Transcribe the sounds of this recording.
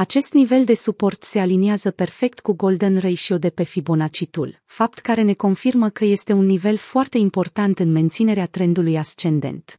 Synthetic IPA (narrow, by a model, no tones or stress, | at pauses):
at͡ʃe̞st̪nive̞ld̪e̞supo̞rt̪se̞alineazəpe̞rfe̞k̚t̪kuɡo̞ld̪ənrejʃiod̪e̞pefibo̞nat͡ʃit̪ṵl | fapt̪kaɾe̞ne̞ko̞nfirməkəje̞st̪e̞unːive̞lfoart̪e̞impo̞rt̪ant̪ɨnme̞nt̪sine̞ɾeat̪ɾe̞nd̪ulujast͡ʃe̞nd̪e̞̰nt̪